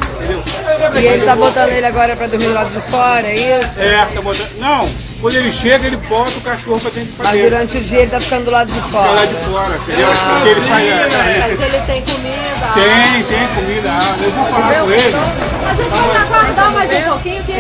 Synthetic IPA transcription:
ĩtt̪ẽnd̪ewɛɛɪelɪt̪abot̪ɐ̃nd̪ʊelɪaɡɔɾɐpɾɐd̪oɾmid̪ʊlad̪ʊd͡ʒɪfɔɾɐɛisʊɛt̪abot̪ɐ̃nɐ̃w̃ | kwɐ̃d̪ʊelɪʃeɡɐelɪbɔt̪ɐʊkaʃohʊpɾɐt̪ẽppmɐzd̪uɾɐ̃nt͡ʃɪʊd͡ʒiɐelɪt̪afi̥kɐ̃nʊd̪lad̪ʊd͡ʒɪfɔlad͡ʒɪfɔɾɐĩt̪ẽddeʊɾelɪʃeɡɐẽɐzelɪt̪ẽj̃komi | d̪ɐt̪ẽj̃t̪ẽj̃komid̪ɐabɐelɪnɐ̃w̃falakõelɪ | mɐzeãakad̪ãmazẽpokĩɲʊd͡ʒi

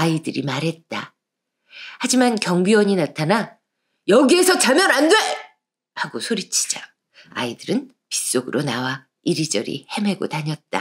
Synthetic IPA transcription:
aidɯɾḭmaɾɦe̞t̚t͈a | had͡ʑimankjʌŋbiwʌɲinatʰana | jʌɡiesʰʌt͡ɕamjʌnandwe | haɡosʰoɾit͡ɕʰi̥d͡ʑa | a̰idɯɾɯn | pi̥s͈oɡɯɾʔonawa | iɾid͡ʑʌɾḭhe̞me̞ɡo̰taɲʌt̚t͈a̰

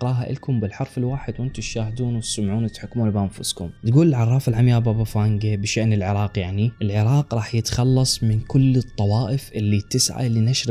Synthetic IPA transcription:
ɾˤɑːɦaʔɪ̰lkʊmbɪlħɑɾˤfɪlwaːħɪd̪wʔɪnt̪ʊʃaːhd̪uːnwsʊmʕuːnɪt̪ħɪkːmuːnbʔanfʊskʊmt̪ɡuːlɪlʕɑrˤːɑːfɪlʕamjaːbabafaːŋɡabɪʃaʔnɪlʕɪɾˤɑːqjaʕniʔɪlʕɪɾˤɑːqɾˤɑːħjɪt̪xɑlːɑsˤmɪnkʊlːɨt̪ˤːɑwɑːʔɪfʔɪlːit̪ːɪsʕa̰linaʃɾ

